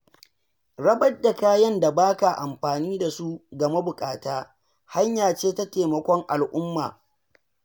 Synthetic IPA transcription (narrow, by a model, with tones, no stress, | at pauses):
ɽɐ˦bɐ˦da˨kaː˦jɐ˦nda˨baː˦ka˨ʔa̰˨mɸaː˨niː˦da˨su˦ɡɐ˨ma˦bʊ˨kʼaː˨taː˦ | ha˦ɲjaː˨t͡ʃeː˦ta˦teː˨mɐ˨kʷɔ˦ŋʔa˨lʔʊ˦mːaː˨